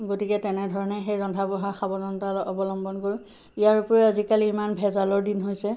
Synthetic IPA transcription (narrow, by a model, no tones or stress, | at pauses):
ɡotikɛtɛnɛdʱɔɹɔnɛxejɹɔndʱabɔɦaxabɔzɔntalɔɔbɔlɔmbɔnkoɹũ | ijaɹupɔɹɛazikaliimanbʱɛzalɔɹdinɦojsɛ